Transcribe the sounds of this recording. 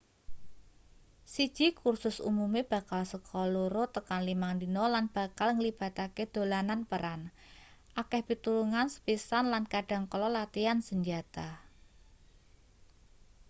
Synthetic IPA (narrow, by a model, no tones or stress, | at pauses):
sid̥ʒ̥i̤kursʊsṵmumeb̥a̤kalsəkʰɔluɾot̪əkanlimaŋdinɔlanb̥a̤kalŋəlib̥a̤t̪aked̪̥o̤lananpəɾan | ʔakɛhbit̪uluŋansə̥pisanlankaɖ̥a̤ŋkɔlɔlat̪iansəɲd͡ʒat̪a